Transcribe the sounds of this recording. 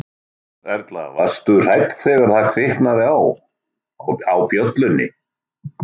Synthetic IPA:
vɛɾt̪la̰vast̪ʏr̥ajt̪θɛɣaɾ̥θaðkʰɾɪhknaðɪaw | awpjœt̪lʏnːɪ̰

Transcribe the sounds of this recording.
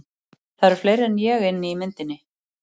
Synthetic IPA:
θaðɾɛɾ̥flejɾɛnjɛɣɪnːɪimɪnt̪ɪnːɪ

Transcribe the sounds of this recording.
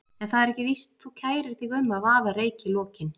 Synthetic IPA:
ɛnθaðɛɾɛhcɪvist̪θucʰaːjɾɪɾ̥θiɣʏmːaðvaːvaɾeːjcɪlɔːcɪn

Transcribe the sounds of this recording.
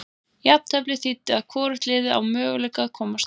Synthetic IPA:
jap̚t̪ʰɛplɪθit̪ːɪaðkʰɔːɾɪht̪lɪːðɪa̰wmœːɣʏlɛjkaðkʰɔːmas

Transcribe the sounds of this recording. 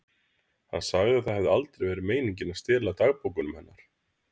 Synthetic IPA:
ha̰nsaɣðɪaðθaðhɛvðɪalt̪ɾejvɛːɾɪmeːjniɲcɪnaðst̪ɪːlat̪aɣpowkʏnʏmhɛnːaɾ̥

